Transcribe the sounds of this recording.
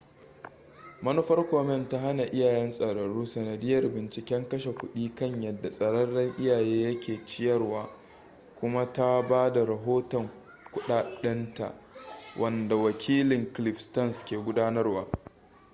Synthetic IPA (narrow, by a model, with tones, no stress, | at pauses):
mɐ˦nʊ˦ɸɐ˦rkʷoː˨mɛ˦nta˦ɦa˦na˨ʔɪ˦jaː˨jɛ˦nsʼɐ˨ɽɐ˨ɽuː˦sɐ˨nɐ˨dɪ˦jɐ˨rbɪ˨nt͡ʃɪ˨kʲɛ˦ŋkɐ˦ʃe˨kʷʊ˦ɗiː˦kɐ˦ɲjɐ˨dːa˨sʼɐ˨ɽɐ˦rːɐ˦ŋʔɪ˦jaː˨jeː˦jɐ˦kʲʰeː˨t͡ʃɪ˦jɐ˦rwaː˦ | kʷʊ˦ma˦ta˦baː˦da˨ɾɐ˨ɦoː˦tɔ˨ŋ | kʷʊ˦ɗaː˨ɗɐ˦nta̰˨ʔ | wʔɐ˨nda˨wɐ˨kʲʰiː˦lɪ˨ŋklɪ˨ɸstɐ˦˨nskʲeː˨ɡʷʊ˦daː˦nɐ˦rwaː˦